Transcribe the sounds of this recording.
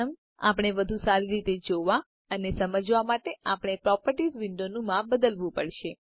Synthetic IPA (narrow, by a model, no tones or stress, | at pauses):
əm | a̰pəɳ̃ebəd̪ʱũsaɾiɾit̪ed͡ʒoʋa | ənesəməd͡ʒʋamaʈeapəɳ̃epɾɔpəɾʈisʋɪɳɖonũmãbəd̪əlʋũpəɽʃe